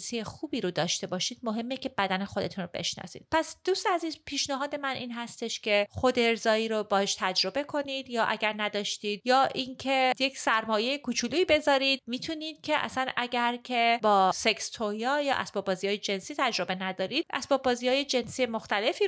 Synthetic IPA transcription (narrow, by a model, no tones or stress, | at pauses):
sijexuːbiːɾod̪ɒːʃt̪e̞bɒːʃiːd̪̥mo̞ɦe̞mːece̞bæd̪æne̞xo̞d̪e̞t̪ʰunɾobe̞̰ʃnɒ̰zḭd̪̥̚pʰæsd̪̥ust̪eæziːzpʰiːʃnæɦɒːd̪e̞mænʔiːnɦæst̪e̞ʃcʲʰe̞xo̞d̪eɾzɒːiːɾobɒːheʃt̪ʰæd͡ʒɾo̞be̞kʰo̞niːd̪jɒːʔæɟæɾnæd̪ɒːʃt̪iːd̪̚jɒːʔincʰe̞jecsæɾmɒːjejekut͡ʃʰuluiːbe̞zɒːɾid̪miːt̪ʰuniːd̪̥̚cʰe̞ʔæ̰sænæɟæɾcʰe̞bɒːse̞kst̪ʰojɒjɒ̰ːʔæ̰sbɒbɒːzijɒːjed͡ʒe̞nsiːt̪ʰæd͡ʒɾo̞be̞næd̪ɒːɾid̪̥ʔæ̰sbɒːbɒːziɒːje̞d͡ʒe̞nsiːjemo̞xt̪æle̞fiː